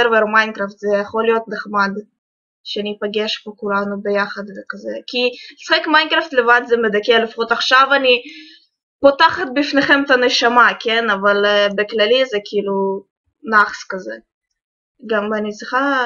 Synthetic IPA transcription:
ɛɾveɾmajnkɾaft̪zɛjaχolijo̞t̪neχmad̪ | ʃeanʲipaɡeʃbokulanubejaχad̪vɛkazɛkʲili̥saχekmajnkɾaft̪levanzɛmed̪akɛlifaχot̪aχʃavanʲi | pot̪aχat̪̚bifneχemt̪aneʃamakenavalbeklalizɛkʰiilu | naχskaze | ɡamanʲitt͡sʁiχa

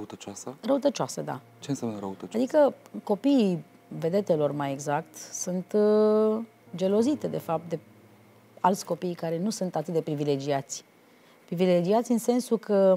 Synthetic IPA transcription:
əut̪ət͡ʃasərəut̪ət͡ʃasəd̪a̰ | t͡ʃensjamnəɾə̰ut̪ət͡ʃad̪ikəko̞piː | ve̞d̪e̞t̪e̞lo̞rmaje̞ɡzak̚t̪sunt̪ | d͡ʒe̞lo̞zit̪ed̪e̞fap̚t̪̚d̪e̞ | alt̪sʲko̞pijkaɾe̞nusunt̪at̪ɨt̪̚d̪epɾivile̞d͡ʒiat̪sʲ | pɾiviled͡ʒiat̪sʲɨnse̞nsukʰə

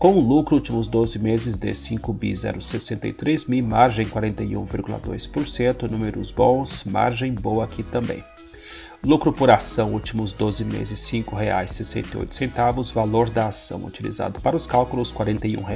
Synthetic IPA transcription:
kõʊ̃lukɾʊut͡ʃimʊzd̪ozɪmezɪzd̪ɪ̰sĩŋkʊbḭzɛ̰ɾʊsesẽnt̪ɐ̰jt̪ɾezmimaɾʒẽj̃kwaɾẽnt̪ɐiṵ̃viɾɡulɐ̰d̪o̰jspoɾsẽnt̪ʊnũmeɾʊ̰zbõw̃sma̰ɾʒẽj̃bowɐakit̪ɐ̃mbḛ̃j̃ | lukɾʊpʊɾasɐ̃w̃ut͡ʃimʊzd̪ozɪmḛzɪsĩŋkʊɦea̰jsːesḛ̃nt̪ejo̰jt̪ʊ̥sẽnt̪avʊsvaloɾd̪ɐasɐ̰̃w̃ṵt͡ʃilḭza̰d̪ʊpaɾɐʊskalkʊlʊskwaɾẽnt̪ɐiṵ̃ɦe

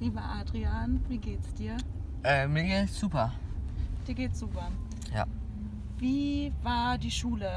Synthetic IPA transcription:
liːbəʔaːdʁianviːɡeːtsd̥iːɐ | ʔɛːmɪɡlz̥uːpɐ | d̥iːɐɡeːtz̥uːpɐ | ja̰ | viːvaːɐdiːʃuːlə

